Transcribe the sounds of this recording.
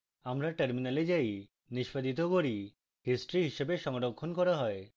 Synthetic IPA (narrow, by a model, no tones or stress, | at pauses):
amɾaʈeɾminaled͡ʑaj | niʃpad̪it̪̬okoɾi | hisʈɾiɦiʃebeʃɔŋɾokʰːonkɔɾaɦɔe